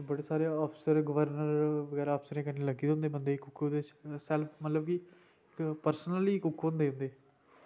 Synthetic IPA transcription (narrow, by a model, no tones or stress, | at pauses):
bəɽeːsaːɾeɔːpʰsəɾɡəʋəɾnəɾʋəɡɛːɾaɔːpʰsəɾẽːkəɳːeːləɡiːd̪ɦʊ̃nd̪eːbənd̪eːɪkʊkʰːod̪eːsɛlpʰmət̪ləb̚ki | ɪkpəɾsnəliːkʊkʰːɦʊ̃nd̪eːɦʊ̃nd̪eː